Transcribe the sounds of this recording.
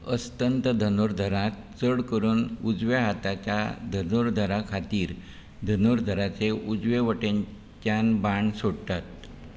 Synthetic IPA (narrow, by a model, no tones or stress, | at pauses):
əst̪ənt̪əd̪ʱənoɾd̪ʱəɾãt̪̚ | t͡səɽkəɾuːnud͡zʋeɦat̪at͡ɕjad̪ʱənoɾd̪ʱəɾakʰat̪iːɾ | d̪ʱənoɾd̪ʱəɾat͡seʔud͡zʋeʋəʈeɲ | t͡ɕjanbaɳsoɽt̪at̪̚